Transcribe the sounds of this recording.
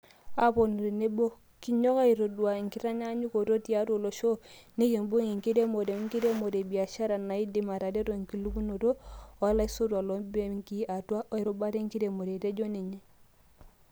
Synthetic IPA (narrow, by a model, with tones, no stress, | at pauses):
a˦po˨nu˨ɾi˨ne˦bo˦ | ki˦ɲo˦ka˦i˨ɾo˨du˨a˨ŋ˨ki˦ɾa˦ɲa˦ɲu˦ko˨to˦ti˦a˦tu˦o˨lo˨ʃo˦ni˦ki˨mbu˦ŋi˨ŋki˦de˦mo˨de˨˦ŋki˦de˦mo˨de˨bi˨a˨ʃa˦ɾa˨na˨i˦di˨ma˨ɾa˨de˦ɾo˨ŋki˨lu˦ku˦no˨to˦o˨˦la˦i˦so˦twa˨lo˨˦be˦ŋki˦a˨tu˦a˦ʔo˦i˨ɾo˨ba˦ɾe˦ŋ˦ki˦te˨mo˨de˨te˦d͡ʒo˦ni˨ɲe˨